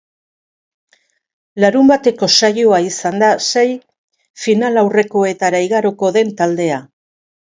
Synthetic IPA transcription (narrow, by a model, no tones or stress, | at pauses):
laɾumbat̪e̞ko̞sajoaisand̪asej | finalawre̞ko̞e̞t̪aɾaiɣaɾoko̞ðe̞nt̪ald̪e̞a